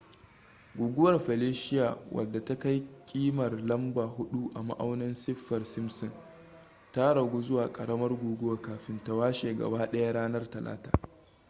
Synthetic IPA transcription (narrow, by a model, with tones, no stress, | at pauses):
ɡʷuː˨ɡʷʊ˦wɐ˨rɸɛ˨leː˦ʃɪ˦ja˨wʔɐ̰˨dːa˨ta˦ka˦jkʲʼiː˦mɐ˨rlɐ˦mbaː˨ɦʊ˦ɗu˦ʔa˨ma̰˦ʔa˦wnɐ˦nsɪ˦ɸːɐ˨rsɪ˦msɔ˨n | ta˦ɽɐ˨ɡʷoː˦zʊ˦waː˨kʼɐ˨ɽɐ˦mɐ˦rɡʷuː˨ɡʊ˦waː˨kaː˨ɸɪ˦nta˦waː˦ʃeː˨ɡɐ̰˨baː˦ɗɐ˦ja˦ɽaː˦nɐ˦rtɐ˨lʔa̰ː˦ta̰ː˨